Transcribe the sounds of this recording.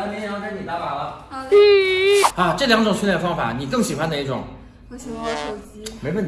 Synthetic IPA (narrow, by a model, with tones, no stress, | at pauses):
m˥ɛ˥˩ɑ˥kʰa˥ni˨˩t̪a˧˥pa˨˩lə˧˥ | a˥˧˩ʈ͡ʂɤ˥˩ljɑ˧˥ŋʈ͡ʂʊ˨˩ŋt͡ɕy˥˧ljə˨fɑ˥ŋfa̰˨˩ni˨˩kɤ˥˩ŋɕi˨˩xwa˥nd̪ə˧i˥˩ʈ͡ʂʊ̰˨˩˦ŋ˩˧˩ | me˥ɪwə˥nʰ